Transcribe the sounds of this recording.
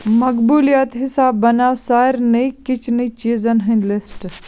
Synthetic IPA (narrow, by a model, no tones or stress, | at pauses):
mɐkbuːlijat̪ɦɪsaːbːɐnaːwsaːjɾnɐikɪt͡ʃʰnit͡ʃiːzɐnɦɐnlɪsʈ